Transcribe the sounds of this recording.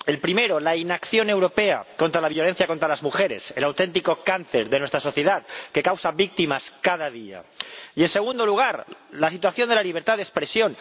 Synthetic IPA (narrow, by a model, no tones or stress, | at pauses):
e̞lpɾime̞ɾo̞lainakθjo̞newɾo̞pe̞a̰ko̞nt̪ɾalaβjo̞le̞n̟θjako̞nt̪ɾalazmuxe̞ɾe̞̰selawt̪e̞nt̪iko̞kanθe̞ɾðenwe̞st̪ɾaso̞θje̞ðaðke̞kawsaβik̚t̪imaskaðaðia̰ie̞nse̞ɣ̞und̪o̞luɣ̞aɾlasit̪waθjond̪ealiβ̞e̞ɾt̪aðespɾe̞sjo̞n